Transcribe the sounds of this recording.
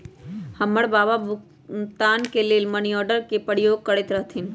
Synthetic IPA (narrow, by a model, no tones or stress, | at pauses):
həmːəɽbaːbabʊ | t̪aːnkeleːlməniɔːɾɖəɾkepəɽjoːɡ̚kəɽet̪ɾəɦt̪ʰin